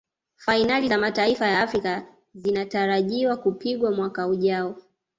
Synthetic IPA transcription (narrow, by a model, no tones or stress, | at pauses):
fainalizamataifajaafɾika | zinataɾaʄiwakupiɠwamwakauʄaɔ